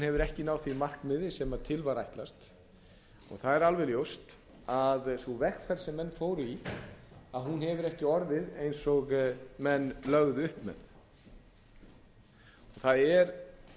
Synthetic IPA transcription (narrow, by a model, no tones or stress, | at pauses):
hunhɛvʏɾɛhcɪnaːwθvimar̥kmɪðɪsɛmat̪ʰɪlvaɾajht̪last̪ | ɔ̰ɣθaðɛɾalvɛljowst̪ | aðsɔvɛr̥kfɛɾsɛmːɛnːfoːwɾʏi | aðhɦunhɛvʏɾɛhcɪɔɾðɪðejnsɔɣmɛnːlœɣðʏhpmɛ̰ð | ɔɣθaðɛɾ